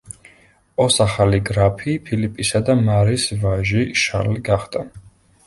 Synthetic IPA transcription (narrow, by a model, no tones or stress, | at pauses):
ɔsaχaliɡɾapʰipʰilipʼisad̪amaɾisvaʒiʃa̰ɾliɡaχd̪̥a